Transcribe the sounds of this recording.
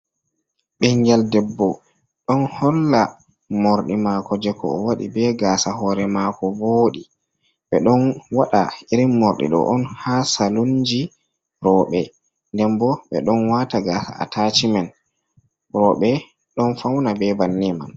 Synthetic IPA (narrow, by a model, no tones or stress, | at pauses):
ɓɛŋɡɛldɛbːɔ | ɗɔnhɔlːa | mɔɾɗimakɔd͡ʒɛkɔ̰ːwaɗḭbɛɡaːsahɔːɾɛmakɔboːɗi | ɓɛɗɔnwaɗa̰iɾimːɔɾɗḭɗɔ̰ʔɔnhasalund͡ʒi | ɾɔɓɛ | ndɛmbɔɓɛ̰ɗɔnwataɡaːsa̰a̰tat͡ʃimɛn | ɾɔɓɛ | ɗɔnfawnabɛbanːima̰n